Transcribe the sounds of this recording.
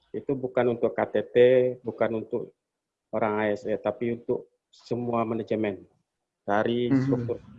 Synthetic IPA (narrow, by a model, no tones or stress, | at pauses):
it̪ubukanunt̪ʊkːat̪et̪ebukanunt̪ʊk | oɾaŋaɛsat̪apiunt̪ʊk̚ | səmuamanad͡ʒəmɛn | d̥aɾist̪ɾuk̚t̪ʊr